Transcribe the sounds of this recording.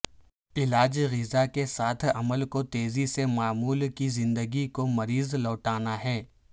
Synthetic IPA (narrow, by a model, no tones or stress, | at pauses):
ɪlaːd͡ʒɣɪzakesaːt̪ʰɐməlkot̪eːzisemaːmuːlkizɪ̃nd̪əɡikomɐɾiːzlɔːʈaːnaɦɛː